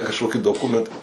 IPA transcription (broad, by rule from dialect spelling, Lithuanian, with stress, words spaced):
kɐʃˈkoːkʲɪ doːˈkʊmʲɛntɐ